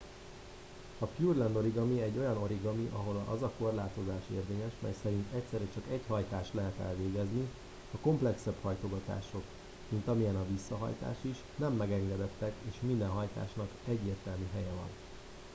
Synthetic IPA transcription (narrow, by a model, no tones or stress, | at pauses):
ɒpjuːrlɛnd̪o̞ɾiɡɒmiɛɟːo̞jɒno̞ɾiɡɒmiʔɒɦo̞lɒ̰zɒko̞rlaːt̪o̞zaːʃḛːrveːɲɛʃmɛ̰jsɛɾint̪ɛct̪sɛɾɛt͡ʃɒkɛchɒjt̪aːʃt̪lɛɦɛt̪ɛ̰lveːɡɛzni | ɒko̞mplɛksɛbhɒjt̪o̞ɡɒt̪a̰ːʃo̞k | mint̪ɒmijɛnɒvisːɒɦɒ̰jt̪a̰ːʃiʃnɛmːɛɡɛŋɡɛd̪ɛt̪ːɛkeːʃmind̪ɛnɦɒjt̪a̰ːʃnɒkɛɟːeːrt̪ɛlmyɦɛjɛvɒ̰n